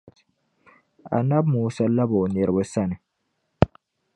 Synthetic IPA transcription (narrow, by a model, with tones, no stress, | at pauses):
t | a̰˨nːa˦bmuː˨sɐ˦lːa˦bo˨ne˨ɾbə˦sa˦nɛ˨